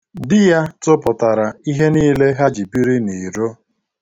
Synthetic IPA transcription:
dɪ˦ja˦tʊ˦pʊ˨ta˨ɾa˨i˦ɦe˦niː˦le˦ɦa˦d͡ʒi˨pi˦ɾi˦ni˨ɾo˦

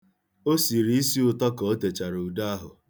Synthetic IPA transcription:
o˦si˨ɾi˦i˦si˦ʊ˨tɔ˦kɔ˨o˦te˨t͡ʃa˨ɾu˨da˦a˦ɦʊ̰˨

